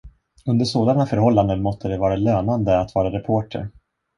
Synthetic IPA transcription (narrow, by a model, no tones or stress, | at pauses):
ɵnd̪əʂoːd̪anafœɾhɔlːand̪ənmɔst̪ːəd̪ɛvɑːɾaløːnand̪əat̪vɑːɾaɾɛpʰoːʈʰə̰ɾ